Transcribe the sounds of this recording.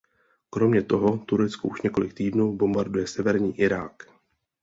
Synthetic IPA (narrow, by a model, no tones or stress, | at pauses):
kɾo̞mɲɛt̪o̞ɦo̞t̪uɾɛt͡skoʔuʃɲɛko̞lɪk̚t̪iːdnuːbo̞mbaɾdujɛsɛvɛɾɲiːʔɪɾaːk